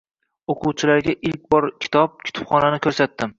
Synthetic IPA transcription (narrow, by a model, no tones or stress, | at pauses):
oqʰʊwt͡ʃʰɪlaɾɡʲaʔɪlk̚ʲbɒɾkʲʰɪ̥t̪ʰɒp̚kʲʰʊ̥t̪ʰɪ̥pχɒnanɪkʲʰɵɾsat̪ːɪm